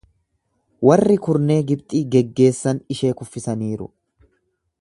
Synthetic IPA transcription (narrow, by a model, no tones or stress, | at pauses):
wɐrːɪkʊɾne̞ːɡɪbt̪ʼiːɡɛɡːe̞ːsːɐnɪʃe̞ːkʊfːɪsɐniːɾʊ̰